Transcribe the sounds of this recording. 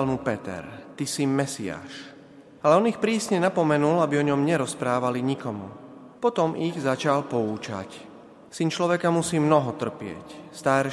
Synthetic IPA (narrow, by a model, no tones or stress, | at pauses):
almupɛt̪ɛ̰ɾt̪isimɛsia̰ːʃ | alɛɔnixpɾiːsɲɛnapɔmɛnulabiɔɲɔmɲɛɾɔspɾaːʋaliɲikɔmu | pɔt̪ɔmiɣzat͡ʃalpɔuːt͡ʃa̰c | sint͡ʃlɔʋɛkamusiːmnɔɦɔt̪r̩pɪɛ̰cst̪aɾ